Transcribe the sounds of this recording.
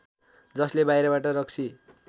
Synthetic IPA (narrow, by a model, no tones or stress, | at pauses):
d͡zʌslebajɾʌbaʈʌɾʌk̚t͡sʰi